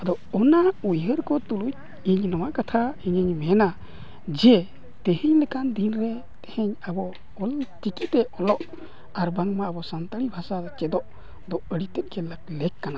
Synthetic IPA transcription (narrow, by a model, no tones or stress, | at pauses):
ad̪ɔ | ɔnaujɦəɾkɔt̪uluc | iɲnɔwakat̪ʰaiɲiɲmɛna | d͡ʒɛ | t̪ɛhɛɲlɛkand̪inɾɛ | t̪ɛhɛɲabɔ | ɔlt͡ʃikit̪ɛɔlɔʔ | aɾbaŋmaəbɔsant̪aɽibʱasadɔt͡ʃɛd̪ɔʔ | d̪ɔəɽit̪ɛt̪̚ˀɡɛləklɛkːana